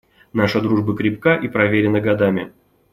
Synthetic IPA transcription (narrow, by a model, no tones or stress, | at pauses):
naʂɨd̪ɾuʐbɨkɾʲɪp̚kaʔipɾɐvʲeɾʲɪnːəɡɐd̪amʲɪ̰